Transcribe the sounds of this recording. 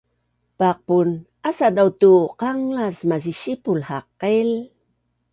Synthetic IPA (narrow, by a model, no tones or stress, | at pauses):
paq̚pun | asadawtuqaŋlasmaʑiɕipulhaqːel